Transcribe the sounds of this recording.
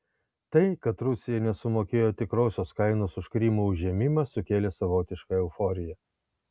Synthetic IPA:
t̪ɐɪkɐt̪ɾʊsʲɪjɛnʲɛsʊmoːkʲeːjoːt̪ʲɪkɾoːsʲoːskɐɪnoːsʊʃkɾʲiːmuːʊʒʲiɛmʲɪmɐsʊkʲeːlʲeːsɐʋoːt̪ʲɪʃkɐɛʊfoːɾʲɪjɛ

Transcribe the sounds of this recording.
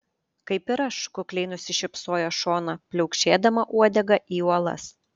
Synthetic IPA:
kɐɪpɪɾɐʃkʊklʲɛɪnʊsʲɪʃʲɪpsoːjoːʃoːnɐpʲlʲɛʊkʃʲeːd̪ɐmɐʔuɔd̪ʲɛɡɐʔiːuɔlˠɐ̰s

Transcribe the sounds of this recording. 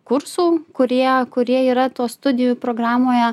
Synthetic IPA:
kʊɾsuːkʊɾʲiɛkʊɾʲiɛiːɾɐt̪uɔst̪ʊd̪ʲɪjuːpɾoːɡɾɑːmoːjɛ

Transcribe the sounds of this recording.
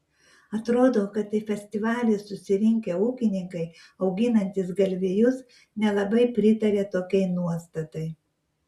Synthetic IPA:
ɐt̪ɾoːd̪oːkɐt̪ɪfʲɛsʲt̪ʲɪʋɑːlʲɪsʊsʲɪɾʲɪŋʲkʲeːuːkʲɪnʲɪŋkɐɪ | ɒʊɡʲɪnɐnʲt̪ʲɪsɡɐlʲʋʲeːjʊs | nʲɛlˠɐbɐɪpʲɾʲɪt̪ɐɾʲeːt̪oːkʲɛɪnuɔst̪ɐt̪ɐɪ

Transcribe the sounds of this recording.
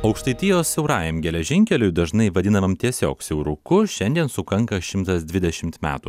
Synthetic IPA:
ɐʊkʃt̪ɐɪt̪ʲɪjoːsʲsʲɛʊɾɑːjɛmɡʲɛlʲɛʒʲɪŋʲkʲɛlʲʊjd̪ɐʒnɐɪʋɐd̪ʲɪnɐʋɐmt̪ʲiɛsʲo̰ːksʲɛʊɾʊkʊʃʲɛnʲd̪ʲiɛnsʊkɐŋkɐʃʲɪmt̪ɐsd̪ʲʋʲɪd̪ʲɛʃʲɪmt̪mʲæ̰ːt̪u

